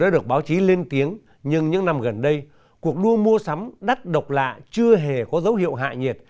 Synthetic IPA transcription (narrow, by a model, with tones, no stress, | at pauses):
ɗaː˨˦ɗɨ˨˩ək̚ɓaː˨˦wt͡ɕi˨˦le˧nt̪i˨˦əŋ | ɲɨ˧ŋɲɨ˧ŋna˧˩mɣə˨˩nɗə˧j | ku˨˩ək̚ɗu˧əmu˧əsa˨˦mɗa˦˥t̚ɗə˨˩wk͡p̚la̰ː˧˨t͡ɕɨ˧əɦe˨˩kɔ˨˦zə˨˦wɦḭ˧˨əwɦa̰ː˧˨ɲe˨˩t̚